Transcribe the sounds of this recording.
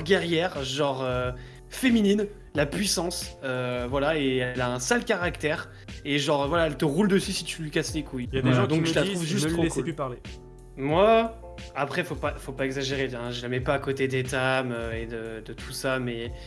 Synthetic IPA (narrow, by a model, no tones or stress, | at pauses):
ʁɡʲɛʁjɛʁʒɑ̃ʁø | feminin | lapɥisɑ̃søvwalaeɛlaɛ̃salkaʁakt̪ɛʁ | eʒɑ̃ʁvwalaɛlt̪əʁuld̪əsysit̪ylɥikaslekujvwaad̪ɔ̃kʒəlat̪χuvʒyst̪χokulypaʁle | mwa | apχɛfopafopaɛɡzaʒeʁebjɛ̃ʒəlamɛpaːkot̪ed̪et̪amøed̪əd̪ət̪ʰu̥samɛ